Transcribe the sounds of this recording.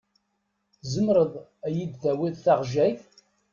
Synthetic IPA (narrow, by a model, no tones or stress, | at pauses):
zəmɾəðˤæjid̪θæwiðθaʁʒæjθ